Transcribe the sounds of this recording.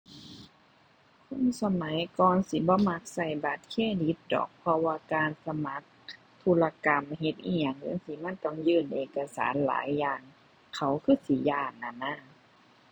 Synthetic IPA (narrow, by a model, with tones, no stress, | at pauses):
kʰo˧˥˨nsa˧ma˨˦jkɔː˧nsi˨˦bɔː˧˦ma˧˥k̚sa˧˩jba˨˦t̪̚kʰeː˧˥˨di˧˦t̪̚dɔ̰ː˨˩k̚pʰɔ˧waː˧kaː˧nsa˧ma˧˦k̚ | t̪ʰu˧la˧ka˧˨mɦe˧˦t̪̚ʔiː˧˩ɲa˨˧˩ŋja˧˥˨ŋsiː˧˦ma˧˥˨nt̪ɔ˧˩˨ŋjɯː˧˨nʔeː˨˧˨ka˧sa̰ː˨˦nla̰ː˨˦jːaː˧ŋ | kʰa˨˩wkʰɯː˧˥˩si˨˦jaː˧˩nːa˧˩naː˧˥˩